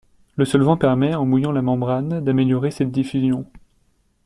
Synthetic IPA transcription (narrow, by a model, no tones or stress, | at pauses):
ləsɔlvɑ̃pɛʁmɛɑ̃mujɑ̃lamɑ̃bʁand̪ameljɔʁesɛt̪̚d̪ifyzjɔ̃